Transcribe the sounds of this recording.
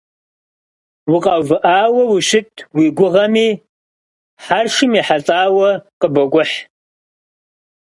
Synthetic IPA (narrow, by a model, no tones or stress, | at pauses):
wʊqʼɐvɨʔaːwɐwiʃɪtʰwiɡʷʊʁɐmiː | ħarʂɨmiħat͡sʼaːwɐqəbɐɡʷʼʊħ